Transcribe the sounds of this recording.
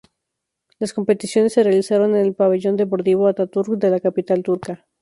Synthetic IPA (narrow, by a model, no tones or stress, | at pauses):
lasko̞mpe̞t̪isjo̞ne̞sːerealisaɾo̞ne̞ne̞lpaβe̞ʝo̞nd̪e̞p̬o̞ɾt̪iβoat̪at̪uɾkd̪e̞lakapit̪alt̪uɾka